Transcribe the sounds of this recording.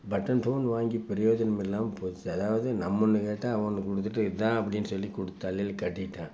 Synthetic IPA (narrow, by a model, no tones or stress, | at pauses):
bɐʈːɐnfoːnʋaːŋɡipɛɾɪjoːd͡ʒɐnɐmɪlːaːmpoːt͡ʃːɯɐðaːʋɐðɯnɐmːɔnːɯkeːʈːaːɐʋɐɳɯkɔɽɯt̪ːɯʈːɯɪt̪ãːɐpːɐɽɪnːɯsɔlːikɔɽɯt̪ːaɐlːɪlkɐʈːɪʈːãː